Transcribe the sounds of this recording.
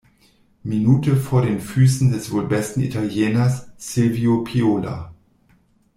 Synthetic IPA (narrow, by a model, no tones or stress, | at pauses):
minuːtʰəfoːɐdeːnfyːsn̩dɛsv̥obɛstn̩ḭtʰaljɛːnɐsːɪlviopʰioːla̰